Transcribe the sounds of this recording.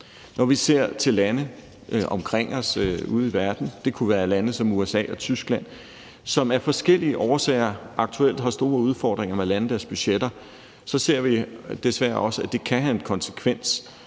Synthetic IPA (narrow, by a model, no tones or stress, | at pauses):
nɒʋise̝ɐ̰t͡sʰe̝lːænə | ʔɒ̽mkʰʁeŋ̰ɒ̽sṵð̞̩ˠiʋæɐd̥n̩d̥e̝kʰuʋæːɐlænəsɒ̽muesɛ̰ːɒ̽t͡sʰysɡ̥læn̰ | sɒ̽mæɐfɒ̽sɡ̥el̰iəʔɒːsɛ̰ːɪɐʔɑ̈ɡ̥̚t͡sʰuel̰d̥ɦɑ̈sd̥o̝ːɐuð̞ˠfɒ̰ːd̥ʁeŋɐmelænəd̥æɐsb̥yɕed̥ɐ | sɒ̽se̝ɐ̰ʋid̥e̝sʋæːɐɒ̽səæd̥e̝kʰæɦæenkʰɒ̽nsə̥kʰʋen̰s